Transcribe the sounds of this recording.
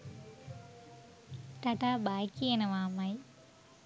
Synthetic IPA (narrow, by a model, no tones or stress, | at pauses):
t̪ɐʈaːbaːjkːijenɐʋaːmaj